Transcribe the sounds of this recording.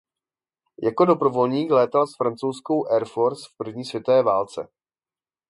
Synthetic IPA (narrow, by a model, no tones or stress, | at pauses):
jako̞do̞pɾo̞vo̞lɲiːklɛːt̪alsfɾant͡sowsko̞wʔɛɾfo̞ɾsfpr̩vɲiːsvjɛt̪ovɛːvaːlt͡sɛ̰